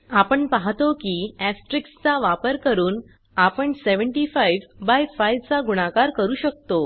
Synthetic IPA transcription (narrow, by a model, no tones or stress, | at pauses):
apəɳpaɦt̪okiːæsʈɾikst͡saʋapəɾkəɾuːn | apəɳseʋəɳʈifajʋbajfajʋt͡saɡuɽ̃akaɾkəɾuːɕək̚t̪o